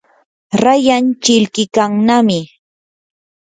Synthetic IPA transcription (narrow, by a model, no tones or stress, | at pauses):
ɾajant͡ʃɪlkɪkaŋnamɪ